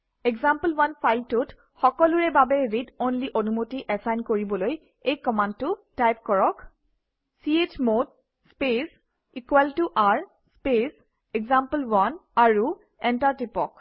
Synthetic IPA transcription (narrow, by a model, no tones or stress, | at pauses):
ekɡzampəlwanfʰajltʊt | xɔkɔlʊɹɛbabɛɹidonliʔonumotiʔɛsajnkoɹibɔloj | ejkɔmãntʊtajp̚kɔɹɔk | siet͡ʃmod̚ | spes | ikwaltuʔaɹ | spes | ɛɡzãmpəlwanaɹu | ɛntaɹtipɔk